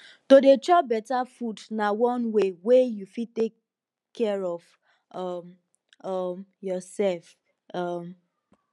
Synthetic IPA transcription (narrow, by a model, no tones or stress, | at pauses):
todet͡ʃɔbɛtafudnawɔ̃nwewejufitekʰː | ɛɹɔv | ɔm | ʌmjɔsɛlf | ʌm